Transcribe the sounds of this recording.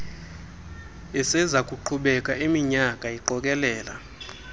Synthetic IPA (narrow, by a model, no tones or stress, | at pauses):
ɛsɛzakʼuǃʰuɓɛkʼaʔemiɲakʼaiǃɔkʼɛlɛːla̰